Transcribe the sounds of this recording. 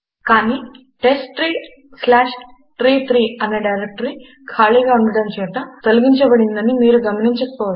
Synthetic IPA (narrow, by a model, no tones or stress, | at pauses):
kaːniː | ʈesʈɾiː | slaːʂ | ʈɾiːt̪ʰɾiːɐnːeɖɐjɾek̚ʈɐɾi | kʰaːɭiːɡaːuɳɖɐɽɐmt͡ʃɛːt̪ɐt̪oluɡiɲt͡ʃɐbɐɽind̪ɐnimiːɾuɡɐmɐniɲt͡ʃɐkɐkpɔːʋɐ